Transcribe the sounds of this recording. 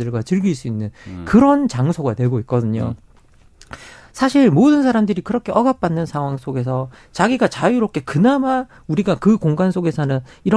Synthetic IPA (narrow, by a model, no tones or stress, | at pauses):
ɯɭɡwat͡ɕɯɭɡiiɭs͈uinːɯnkɯɾʌnt͡ɕaŋsʰoɡatwe̞ɡoit̚k͈ʌdɯɲo | sʰaɕʰiɭmodɯnsʰaɾamdɯɾikɯɾʌkʰe̞ʔʌɡap̚p͈anːɯnsʰaŋɦwaŋs͈ʰoɡe̞s̬ʰʌ | t͡ɕaɡiɡat͡ɕajuɾop̚k͈ʰe̞kɯnama | uɾiɡakɯkoŋɡansʰoɡe̞sʰʌnɯn | iɾʌ